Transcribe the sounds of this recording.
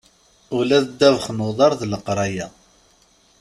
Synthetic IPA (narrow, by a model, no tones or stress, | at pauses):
ʊlæðəd̪ːævəχnʊðˤɑɾˤðləqɾˤɑjæ